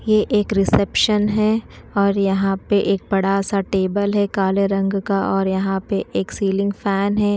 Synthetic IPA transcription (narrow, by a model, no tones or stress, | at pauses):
jeʔeːkɾɪsɛpʃənɦɛ | ɔːɾjɐɦãpeʔeːk̚bɐɽasaʈeːbəlɦɛkaːleɾɐ̃ŋɡkaʔɔːɾjɐɦãpeʔeːksiːlɪ̃ŋɡfɛːnɦɛː